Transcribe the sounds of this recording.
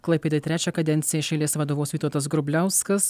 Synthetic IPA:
klˠɐɪpʲeːd̪ɐt̪ɾʲæːt͡ʃʲɛkɐd̪ʲɛnʲt̪sʲɪjɛʃʲɛɪlʲeːsʋɐd̪oːʋoːsʋʲiːt̪oɔt̪ɐsɡɾʊbʲlʲæˑʊskɐs

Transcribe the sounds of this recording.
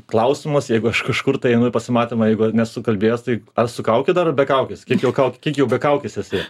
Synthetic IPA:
klˠɐʊsʲɪmɐsjɛɪɡʊɐʃkɐʃkʊrt̪ɐɪɛɪnoɪpɐsʲɪmɑːt̪ʲeːmɐjɛɪɡʊɐnʲɛsʊkɐlʲbʲeːjoːst̪ɐɪɐsʊkɐʊkʲɪd̪ɐrbʲɛkɐʊkʲɪskʲiɛkjɛʊkɐʊkʲɪkʲiɛkjɛʊbʲɛkɐʊkʲɪsʲɛsʲɪ

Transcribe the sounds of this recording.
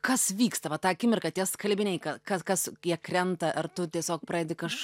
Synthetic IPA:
kɐsʋʲiːkst̪ɐʋɐt̪ɑːɐkʲɪmʲɪrkɐt̪ʲiɛskɐlʲbʲɪnʲɛɪkɐkɐkɐsjiɛkɾʲɛnt̪ɐʔɐrt̪ʊt̪ʲiɛsʲoːk̚pɾɐːɛːd̪ʲɪkɐʃ

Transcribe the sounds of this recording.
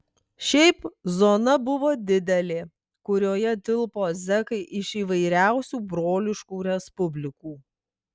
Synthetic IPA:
ʃʲɛɪpzoːnɐbʊʋoːd̪ʲɪd̪ʲɛlʲeː | kʊɾʲoːjɛd̪ʲɪlˠpoːzʲɛkɐɪʔɪʃiːʋɐɪɾʲæˑʊsʲuːbɾoːlʲɪʃkuːɾʲɛspʊbʲlʲɪkuː

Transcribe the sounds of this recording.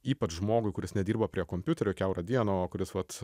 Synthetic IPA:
iːpɐt͡ʃʒmoːɡʊɪkʊɾʲɪsnʲɛd̪ʲiːrbɐpʲɾʲiɛkoːmʲpʲʊt̪ʲɛɾʲʊkʲɛʊɾɐd̪ʲiɛnoːkʊɾʲɪsʋɐt̪

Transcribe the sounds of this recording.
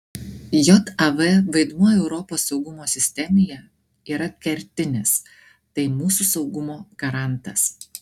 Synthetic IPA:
jɔt̪ɐʋɛʋɐɪd̪muɔjɛʊɾɔpoːsːɒʊɡʊmoːsʲɪsʲt̪ʲɛmʲɪjɛ | iːɾɐkʲɛɾʲt̪ʲɪnʲɪs | t̪ɐɪmuːsusɒʊɡʊmoːɡ̥ɐɾɑˑnˑt̪ɐs

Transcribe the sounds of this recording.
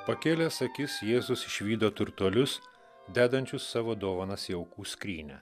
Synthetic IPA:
pɐkʲeːlʲɛsɐkʲɪsjeːzʊsɪʃʲʋʲiːd̪oːt̪ʊɾt̪uɔlʲʊs | d̪ʲæːd̪ɐnʲt͡ʃʲʊsːɑːʋoːd̪oːʋɐnɐsjɛʊkuːsʲkʲɾʲiːnʲɛ̰

